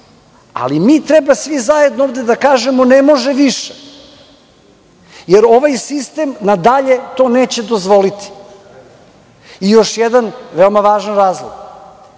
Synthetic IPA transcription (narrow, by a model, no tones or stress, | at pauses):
a̰limit̪ɾɛbasʋizaje̞d̪noovd̪ed̪akaːʒemonemo̞ʒeʋiʃe | jeɾo̞ʋajsist̪emnad̪aʎe̞t̪o̞ːneːt͡ɕe̞d̪o̞zʋo̞lit̪i̥ | ijo̞ʃjɛd̪anʋeomaʋaːʒanɾaːzlˠo̰ɡ̥